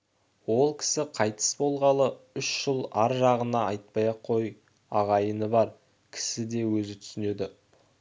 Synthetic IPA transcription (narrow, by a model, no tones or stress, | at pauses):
wo̞lˠkʲʰɪ̥sɪqʰɑjt̪ʰə̥sbo̞lˠʁɑlˠə | ʏʃʒ̥əlˠɑɾʒɑʁənɑɑjt̪̚pɑjɑqʰːo̞j | ɑʁɑjənəbɑɾ | kʲʰɪ̥sɪd̪e̞wɵzɪt̪ʰʏ̥sɪne̞d̪ɪ